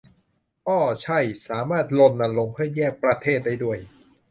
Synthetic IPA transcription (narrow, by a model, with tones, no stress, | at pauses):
kɔː˥˩t͡ɕʰa˥˩jsaː˩˦maː˥˩t̪̚lo˧nːa˧nlo˧ŋpʰɯ˥˩ɐjɛː˥˩k̚pɾa˧t̪ʰeː˥˩t̪̚da˥˩jdu˥˩əj